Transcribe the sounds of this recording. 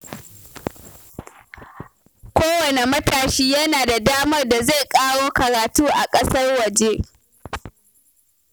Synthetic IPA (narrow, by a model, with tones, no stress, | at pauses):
kʷoː˦wɐ˨ne˨mɐ˦taː˨ʃiː˦jɐ˦naː˨da˨daː˦mɐ˦rda˨za˦˨jkʼaː˦ɽoː˦kɐ˨ɾaː˨tuː˦ʔa˨kʼɐ˦sɐ˦rwɐ˨d͡ʒe˦